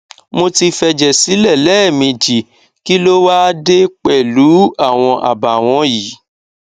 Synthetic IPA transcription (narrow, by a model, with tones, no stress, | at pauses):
mo˧ti˧fɛ˧d͡ʒɛ˨si˨˦lɛ˦˨lɛ˦˨mĩ˧d͡ʒi˨ | ki˦lo˦wa˦de˦k͡pɛ˦˨lu˨˦a˦˨w̃ɔ̃˧ʔa̰˨ba˨w̃ɔ̃˧ji˨˦